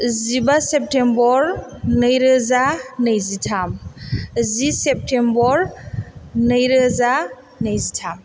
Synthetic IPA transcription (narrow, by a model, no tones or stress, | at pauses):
zibasep̚tʰembɔɾnɯjɾɯzanɯjzitʰam | zisep̚tʰembɔɾ | nɯjɾɯza | nəjzitʰam